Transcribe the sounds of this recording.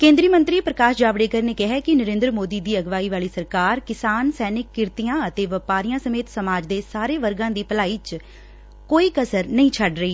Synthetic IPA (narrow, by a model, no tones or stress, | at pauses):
kẽːnd̪ɾiːmə̃nt̪ɾiːpɾəkaːʃd͡ʒaːʋɽeːkəɾneːkɛɦɛːkɪnəɾẽːnd̪ɾmoːd̪iːd̪iːəɡʋaːiːʋaːliːsəɾkaːɾkɪsaːnsɛːnɪkːɪɾt̪ijãːət̪eːʋəpaːɾijãːsəmeːt̪səmaːd͡ʒd̪eːsaːɾeːʋəɾɡãːd̪iːpəlaːiːt͡ʃ | koːiːkəsəɾnəĩːt͡ʃʰəɖɾəiː